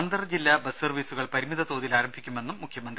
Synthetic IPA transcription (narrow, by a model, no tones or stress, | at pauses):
nd̪ɐrd͡ʑilːabɐsɐrʋiːsuɣɐɭpɐɾimiðɐt̪oːðilaːɾɐmbʱikʲːume̞nːumːukʰjɐmɐnd̪ri